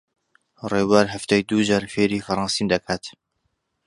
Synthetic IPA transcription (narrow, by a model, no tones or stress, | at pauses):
reːwaɾɦaft̪ajd̪uːd͡ʒaɾfeːɾifɐɾˤɑːnsiːnd̪ɐkʰaːt̪